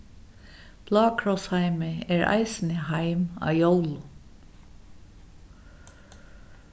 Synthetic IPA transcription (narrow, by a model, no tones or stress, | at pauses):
b̥lɑːkʰɹɔshaɪmɪɛɹʔa̰ɪsnɪhaɪmɑ̰ːjoʊlʊ